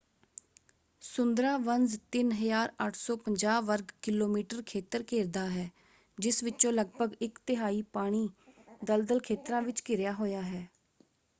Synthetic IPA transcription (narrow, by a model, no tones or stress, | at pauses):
sʊnd̪ɾãːʋənzt̪ɪnɦəjaːɾəʈʰsɔːpəɲd͡ʒaːʋəɾɡkɪloːmiːʈəɾkʰeːt̪əɾkʰeːɾd̪aːɦɛː | d͡ʒɪsʋɪt͡ʃõːləɡ̚bʱəɡɪkt̪ɪɦaːiːpaːɽ̃iːd̪əld̪əlkʰeːt̪ɾãːʋɪt͡ʃkɪɾjaːɦoːjaːɦɛː